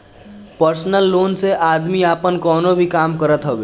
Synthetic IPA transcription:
pəɾsnəlːoːnseʔaːd̪miaːpənkɔːnobʱikaːmkəɾət̪ɦoʋeː

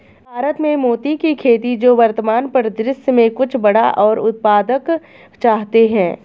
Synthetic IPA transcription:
bʱaːɾət̪mẽmoːt̪ikikʰeːt̪id͡ʒoːʋɐɾt̪əmaːnpəɾd̪ɾɪsjmẽkʊt͡ʃʰbɐɽa̰ʔɔːɾʊ̰t̪̚paːd̪ək | t͡ʃaːɦt̪eɦɛ̃ː

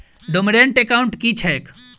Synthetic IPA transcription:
ɖomiɖeɳʈekaʊɳʈkit͡ʃʰɛk

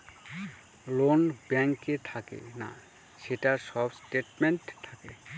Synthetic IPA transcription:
lonbɛŋket̪ʰakḛna̰ | seʈasɔbsʈeʈmeɳʈt̪ʰakḛ

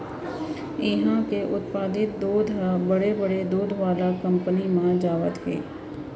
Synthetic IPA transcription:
ɪɦãkeʔʊt̪̚paːd̪ɪt̪̚d̪uːd̪ʱbəɽebəɽed̪uːd̪ʱʋaːlakɐ̃mpənimãd͡ʒaːʋət̪ɦḛː

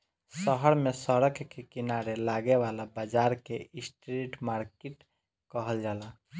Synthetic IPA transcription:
səɦəɾmesəɾəkkekinaɾelaɡeʋalabəd͡ʒaɾkeisʈɾeʈmaɾkeʈ | kəɦəld͡ʒala

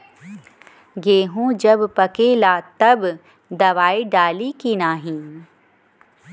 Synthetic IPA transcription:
ɡeːɦõd͡ʒɐbpɐkeːlaːt̪ɐb | d̪ɐʋaːiɖaːlikinaːɦĩ

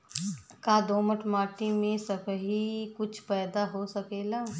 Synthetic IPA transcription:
kaːd̪oːməʈʰmaːʈimẽsɐbʱɦikʊt͡ʃʰpɛːd̪aɦosɐkeːlaː

